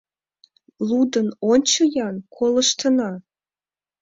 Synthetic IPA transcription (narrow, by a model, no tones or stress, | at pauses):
lud̪ənonʲt͡ɕəjɑnkʰoləʃt̪ənɑ